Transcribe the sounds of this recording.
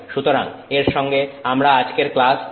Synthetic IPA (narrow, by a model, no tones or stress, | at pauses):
ʃut̪oɾa̰ŋeɾʃɔŋɡeamɾaad͡ʑkeɾklas